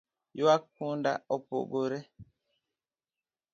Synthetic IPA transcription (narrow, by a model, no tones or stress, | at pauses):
joak̚ːunda̰opo̰ɡoɾe